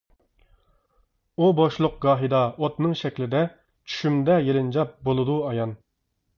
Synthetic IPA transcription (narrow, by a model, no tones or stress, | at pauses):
uboʃlˠʊq̚ɡɑːɦɨd̪ɑot̪nɨŋʃɛkʲlɪd̪ɛ | t͡ʃʰy̥ʃymd̪ɛjelɨnd͡ʒɑp̚bolˠɨd̪uɑjɑn